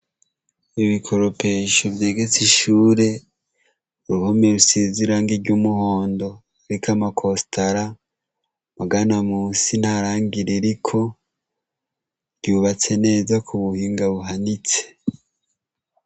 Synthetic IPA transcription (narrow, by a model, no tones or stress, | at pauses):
iβikʰo̞ɾope̞ːʃovjeːɡet͡siʃuːɾe̞ | uɾuhomeɾusiziɾaŋɡiɾɟumuhoːndo̞ | ɾikʰamakʰostʰaɾa | maɡanamuːsin̥haɾaːŋɡiɾiɾikʰo̞ | ɟuːβat͡se̞ne̞ːzakʰuβuhiːŋɡaβuɦanit͡se̥